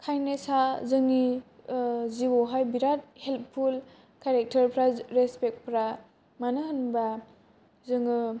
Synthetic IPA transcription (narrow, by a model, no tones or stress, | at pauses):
kʰajnesazɯŋi | ziwoɦajbiɾat̚help̚pʰul | kaɾek̚tʰɐɾpʰɾaɾespek̚t̚pʰɾa | manɯɦɯnba | zɯŋɯ